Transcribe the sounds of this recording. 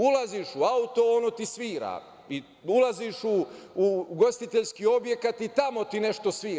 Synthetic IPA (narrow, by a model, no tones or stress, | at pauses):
ulaziʃuaut̪o̞onot̪isʋiːɾa̰ː | i | ulaziʃuː | ɡo̞st̪it̪eʎskio̞bjekat̪it̪amo̞t̪ine̞ʃt̪o̞sʋiː